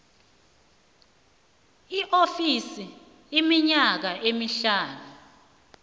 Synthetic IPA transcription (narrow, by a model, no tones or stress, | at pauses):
iʔofisi | imiɲak̬aʔemiɬaːnu